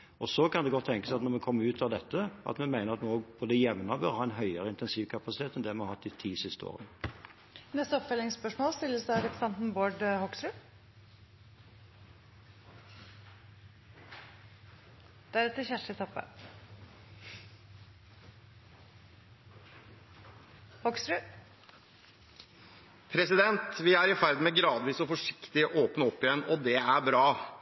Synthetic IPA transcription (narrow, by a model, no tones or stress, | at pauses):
ɔsɔkʰɑnd̪ɛɡɔt̪ʰːɛŋkəsæɪɑt̪nɔɾmɛkʰɔmːəʉːt̪ʰɑʋd̪ɛt̪ːəʔɑ̰t̪mɛmæɪnəʁɑt̪mɛoːɡb̥ʰoːd̪əjɛʋnɑbœɾhɑːæɪnɦœʏəɾəɪnt̪ɛnsiːʋkʰɑpɑsɪt̪ʰeːt̪ɛnd̪ɛmɛhɑɾhɑt̪ːɪt̪ʰiːsɪst̪əo̰ːʁən | nɛst̪əɔpfœlɪŋspœʂmoːlst̪ɪlːəsd̪æɪɾɛpɾəsɛnt̪n̩boːɖhɔɡsɾʉ | d̪̥ɛæɾɛt̪ːəçæʂɪt̪ʰɔpːə̰ | hɔkst̪ɾʉ | pʰɾɛsɪd̪ɛnt̪ʋɪæɾɪfæɾd̪̩mɛɡɾɑːd̪ʋiːsɔfɔʂɪ̥kt̪ɪɔʔoːpnəɔpːɪjɛnːɔd̪ɛæɾbɾɑː